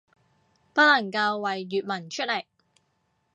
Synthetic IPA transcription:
pɐ˥t̚lɐ˨˩ŋkɐ˧wːɐ˨jːyː˨t̚mɐ˨˩nt͡ʃʰɵ˥t̚le˨˩j

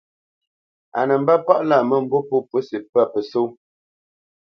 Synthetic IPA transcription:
a̰˨nə˨m̩˦ba˦pa˦ʔla˦˨mə˦m̩˨˦bo˦po˦pə˦si˨pa˦˨pə˨so˦

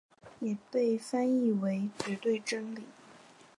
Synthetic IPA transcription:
jɛ˨˩pe˥˩ɪfa˥ni˥˩we˧˥ɪt͡ɕɥɛ˧˥t̪we˥˩ɪʈ͡ʂə˥ŋli˨˦

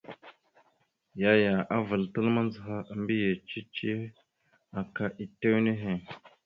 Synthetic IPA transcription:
ja˨ja˨ʔa˦və˨ltə˦lma˦n˦zə˨ɦa˦˨mbi˦je˨t͡ʃi˦t͡ʃi˦ | a˨ka˦ʔi˨te˦wne˦ɦe˨

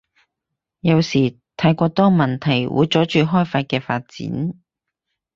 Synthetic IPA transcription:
jɐ˨˧wsiː˨˩ | t̪ʰaː˨˥jkʷɔː˧t̪ɔː˥mɐ˨˩nt̪ʰɐ˨˩jwṵ˨˧jt͡sɔː˨˥t͡ʃyː˨˧ɦɔː˥jfaː˧t̚kɛː˧faː˧t̚t͡sḭː˨˥n

